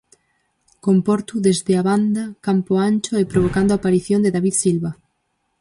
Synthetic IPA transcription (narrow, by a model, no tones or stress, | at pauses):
kompɔɾt̪uðezðeaβand̪akampoant͡ʃoepɾoβ̞okand̪oapaɾiθjond̪eðaβiðsilβa